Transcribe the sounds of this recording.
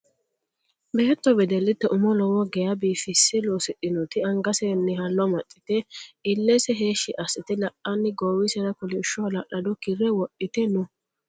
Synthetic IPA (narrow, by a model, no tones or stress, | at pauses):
bɛːt̪ːɔbɛd̪ɛlːɪt̪ːɛʔʊmɔlɔwɔɡɛjɐbiːfɪsːɪloːsɪɗɪnɔt̪ɪɐŋɡɐsɛnːɪɦɐnːɔmɐtʼːɪ̥t̪ɛɪlːɛsɛɦeːʃːɪʔɐsɪt̪ɪlɐʔɐnːɪɡowɪsɛɾɐkʊlɪʃɔlɐɗɐd̪ɔkɪrːɛwɔɗːɪt̪ɛnʊ